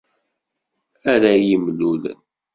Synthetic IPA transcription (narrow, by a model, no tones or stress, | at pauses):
æɾæjimlulə̰n